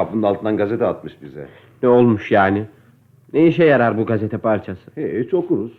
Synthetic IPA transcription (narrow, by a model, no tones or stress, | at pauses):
apɯnd̪alˠt̪ɯnd̪anɡazet̪ʰɛat̪mɯʃbizɛ̰ | nɛo̞lˠmuʃjaːnɪ | nejiʃɛjaɾaɾbuɡazet̪ʰɛpʰaɾt͡ʃʰasɯ̥het͡ʃʰokuɾuz̥